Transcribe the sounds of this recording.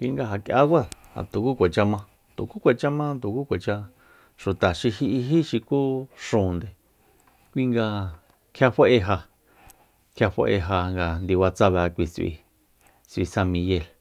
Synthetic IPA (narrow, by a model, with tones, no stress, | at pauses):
kʷi˧ŋɡa˧ɦa˨kja̰˦wa˦ðha̰˨t̪u˨ku˦kʷe˨t͡ʃa˧mã˧ | t̪ṵ˨ku˦kʷe˨t͡ʃa˦mã˦t̪u˨ku˦kʷe˨t͡ʃa˧ | ʃu˨t̪a˨ʃi˧ɦi˧ʔi˧i˦ʃi˧ku˦ʂũː˨nd̪e˨ | kʷi˦ŋɡa˧ | kʰja˧ɸe˦ʔe˧ɦa˧ | kʰja˧ɸḛ˧ʔe˧ɦa˧ŋɡa˧nd̪i˧wa˧t͡sa˧βa˧kʷi˧t͡sḭ˧ | t͡sḭ˧sã˧mĩ˧je˧˨l